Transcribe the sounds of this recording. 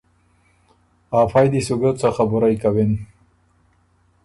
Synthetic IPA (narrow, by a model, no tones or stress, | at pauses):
aːfajd̪isuɡət͡saxabuɾajkawen